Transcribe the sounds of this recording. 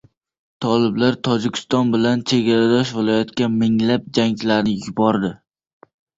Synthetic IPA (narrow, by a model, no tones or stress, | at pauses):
t̪ʰɒlɪblaɾt̪ʰɒd͡ʒɪkʲʰɪ̥st̪ɒnbɪlant͡ʃʰe̞ɡʲaɾad̪ɒʃvɪlˠɒjat̪kʲamɪŋlap̚d͡ʒaŋlaɾnɪjʊbɒɾd̪ɪ